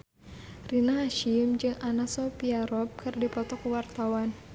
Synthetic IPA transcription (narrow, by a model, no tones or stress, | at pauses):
rinaɦaʃimd͡ʒɨŋanasɔpiaɾɔp̚kɨrdipɔt̪ɔkuwart̪awan